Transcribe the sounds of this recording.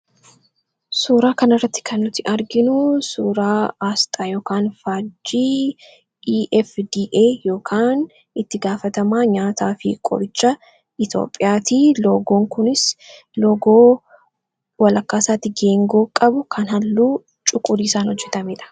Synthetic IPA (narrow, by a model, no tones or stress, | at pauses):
suːɾaːkɐnɪrːɐt̪ːɪ̥kʰɐnːʊt̪ːɪʔɐɾɡɪnʊsuːɾaːaːst̪ʼaːjo̞ːkaːnfaːd͡ʒiː | ʔɛfd̪iːʔeːjo̞ːkʰaːn | ɪt̪ːɪɡaːfɐt̪ɐmaːɲaːt̪aːfɪ̰kʼɔ̰ɾɪt͡ʃʼːɐ | ʔɪt̪jo̰ːpʼːɪjaːt̪iːloːɡo̞ːŋkʊnɪs | loːɡoː | wɐlɐkːaːsaːt̪ːɪɡe̞ːŋɡoːkʼɐbʊkʰɐnhɐlːuː | t͡ʃʼʊkʼʊd̪iːsaːnhɔd͡ʒːɛt̪ɐmeːᶑɐ̥